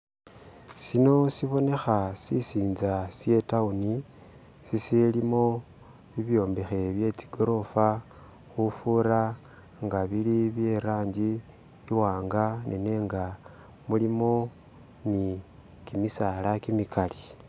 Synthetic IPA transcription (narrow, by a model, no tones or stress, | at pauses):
sino̞siβo̞ne̞xasisiːnzasje̞tauni | sisilimo̞ | βiβjo̞ːmbexe̞βje̞t͡si̥ɡ̥o̞ɾo̞fa | xufuɾa | ŋɡaβiliβje̞ɾaːɲɟiː | waːŋɡanʔḛne̞ːŋɡa | mulimo̞ | ni | kimisalakimikali